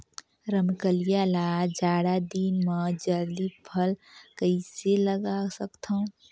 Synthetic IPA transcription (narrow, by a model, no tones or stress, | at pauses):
ɾəmkəlijalaːd͡ʒaːɽad̪iːnmə̃d͡ʒəɾd̪ipʰəlkəɪseləɡasəkt̪ʰã